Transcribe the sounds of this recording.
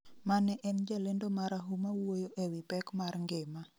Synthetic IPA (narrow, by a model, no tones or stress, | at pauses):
manɛʔɛnd͡ʒalendomaɾaɦumawojoʔewipɛkmarŋɡema